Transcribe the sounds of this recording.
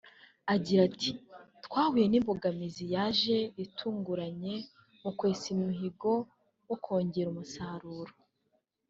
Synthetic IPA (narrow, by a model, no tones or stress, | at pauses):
aɟiɾatʰitkwaːhuje̞nimboɡamizijaːʒe̞itʰuːŋɡuɾaɲe̞ | mukwe̞ːsimuɦiɡo̞ | wokʰo̞ːɲɟeɾumusaːɾuːɾo